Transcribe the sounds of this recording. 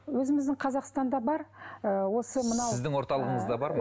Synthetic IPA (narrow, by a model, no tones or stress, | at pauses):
wɵzɪmɪzd̪ɪŋqʰɑzɑqst̪ɑnd̪ɑbɑɾəwo̞səmənɑɪzd̪ɪŋwo̞ɾt̪ɑlˠəʁəɴəzd̪ɑbɑɾ